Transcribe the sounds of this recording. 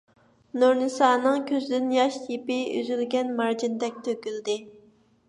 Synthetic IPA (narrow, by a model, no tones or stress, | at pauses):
nuɾnɨsɑːnɨŋkʲʰøzd̪ɪnjɑʃipɪy̰zylɡʲɛnmɑɾd͡ʒind̪ɛk̚ʲt̪ʰøkʲyld̪ɪ